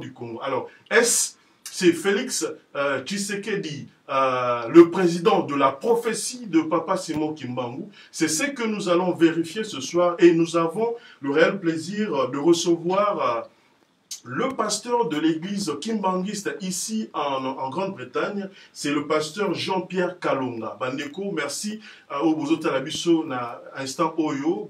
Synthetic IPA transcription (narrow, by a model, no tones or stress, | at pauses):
d̪ykɔ̃alɔʁ | ɛsː | ɛfelikst͡ʃiseked̪i | ləpχezid̪ɑ̃d̪əlapχɔfesid̪əpapasimɔ̃kĩmbɑ̃ɡu | sɛsəkənuzalɔ̃veʁifjesəswaʁenuzavɔ̃ləʁeɛlpleziʁd̪əʁəsəvwaʁ | ləpast̪œʁd̪əleɡlizkĩmbɑ̃ŋɡist̪isiɑ̃ɑ̃ɡʁɑ̃d̪̚bʁit̪aɲsɛləpast̪œʁʒɑ̃pjɛʁkalõŋɡa̰bãnd̪ekomɛʁsi | ojbozot̪alabisonaɛ̃st̪ɑ̃ʔojo